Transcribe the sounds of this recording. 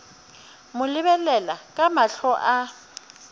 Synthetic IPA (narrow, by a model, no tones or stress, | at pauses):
mʊlɪβɛlɛlakʼamaɬɔʔa